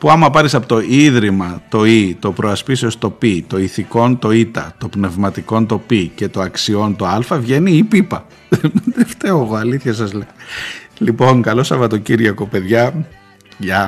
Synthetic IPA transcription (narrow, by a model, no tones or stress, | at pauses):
puɐmɐpɐɾisɐpot̪o̞iðɾimɐt̪o̞it̪o̞pɾʔoɐspiseost̪o̞pit̪o̞iθiko̞nt̪o̞it̪ɐ̰t̪o̞pne̞vmɐt̪iko̞nt̪o̞pice̞t̪o̞ɐksio̞nt̪o̞ɐlfɐvʝe̞niːpipɐ | met̪eft̪eoɣo̞ɐliθçɐs̬ɐzlelipo̞ŋkɐlo̞sɐvɐt̪o̞ciɾʝɐkope̞ðʝɐ | ʝɐ